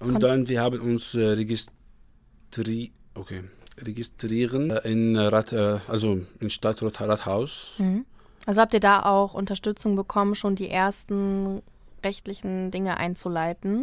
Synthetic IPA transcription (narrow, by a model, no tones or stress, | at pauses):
ʔʊnd̥anviːɐhaːbənʊnsʁeɡɪs | tʁʔokʰeːʁeɡɪstʁ̥iːʁənʔɪnʁatʰɛʔalzoɪnʃtatʁotʁathaʊsm̩hm̩ | ʔalzohap̚tiːɐdaːʔaʊxʔʊntɐʃtʏt͡sʊŋbəkʰɔmənʃoːndiːʔeːɐstn̩ | ʁɛçtlɪçn̩dɪŋəʔa̰ɪnt͡sulaɪtn̩